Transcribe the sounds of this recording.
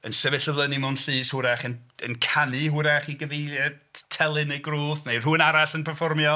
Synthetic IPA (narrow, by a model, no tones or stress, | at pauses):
ənsɛvɛɬəvlˠənimʊnɬɨːshʊɾɛχənənkʰanɨɦʊɾɛχiɡəvejlˠjadtʰɛlˠɨnejɡruːθnejr̥uːnaɾaɬənpʰɛrfɔrmjɔ